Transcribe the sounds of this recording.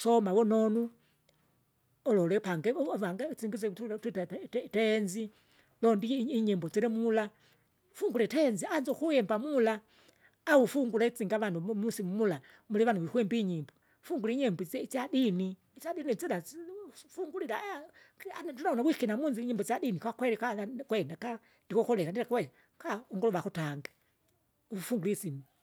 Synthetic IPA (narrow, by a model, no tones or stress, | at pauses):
sɔmawɔnɔnu | ɔlɔlɛpaŋɡɛβaŋɡat͡siŋɡizɛtuttɛnzi | lɔndiːɲɛmbɔd͡ziɾɛmula | fuŋɡulɛtɛnzianzɔkujɛmbamulaː | ufuŋɡulait͡siŋɡaβanumusimumula | mulɛβanuwikuɛmbiɲimbɔ | fuŋɡuliɲɛmbit͡sadini | t͡ʃaɗinid͡zila | fuŋɡulila | anadunaɔnakwikɛnamunziiɲɛmbɔzadinikwakwɛɾɛkaakwɛndaka | ndikɔkɔlɛkandiɾakwɛ | kauŋɡɔlɔβakutaŋɡa | ufuŋɡulisimi